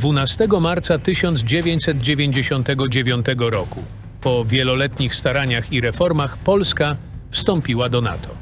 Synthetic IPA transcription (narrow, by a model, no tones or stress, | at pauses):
d̪vunast̪ɛɡɔmaɾt̪sat̪ɘɕɔnd̪zd͡ʑevʲjeɲt͡ɕsɛd̪̚d͡ʑevʲjeɲd͡ʑeɕɔnt̪ɛɡɔd͡ʑevʲjɔnt̪ɛɡɔɾɔku | pɔvʲjɛlɔlɛt̪ɲixst̪aɾaɲaxiɾɛfɔɾmaxpɔlska | fst̪ɔmpʲiwad̪ɔna̰t̪ʰɔ